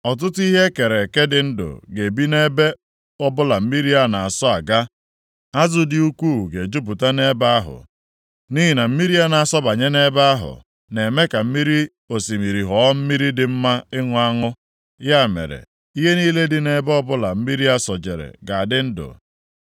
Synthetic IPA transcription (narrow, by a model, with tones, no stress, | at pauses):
ɔ˨t̬ʊ˦tʊ˦i˦ɦe˦ke˨ɾe˨ke˦dɪ˨n̩˦dʊ̰˨ɡe˨bi˦ne˦be˦ | ɔ˦bʊ˦la˨m̩˦mi˦ɾi˦a˨na˨a˨sɔ˦a˨ɡa˦ | a˦zʊ˦dɪ˦u˦kʷuː˦˨ɡe˨d͡ʒu˦p̬ʊ˨ta˦ne˦ba˦a˦ɦʊ̰˨ | ni˦ɦi˨na˨m̩˦mi˦ɾi˦a˦na˨a˨sɔ˦ba˨ɲe˦ne˦ba˦a˦ɦʊ̰˨ | ne˨me˦ka˨m̩˦mi˦ɾi˦ | o˨si˨mi˨ɾi˨ɦɔ˨˦m̩˦mi˦ɾi˦dɪ˨m̩˦ma˦ɪ˦ŋʷ˦a˦ŋʊ˦ | ja˦˨mḛ˨ɾḛ˨ | i˦ɦe˦niː˦le˦dɪ˨ne˦bɔ˦bʊ˦la˨m̩˦mi˦ɾi˦a˦sɔ˨d͡ʒe˨ɾḛ˨ɡa˨a˨dɪ˦n̩˦dʊ̰˨